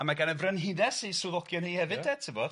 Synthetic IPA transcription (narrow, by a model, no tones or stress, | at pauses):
amaɡanəvrənɦinɛsisuðɔɡjɔnhihɛvɨddɛ̥tʰɪvɔd̥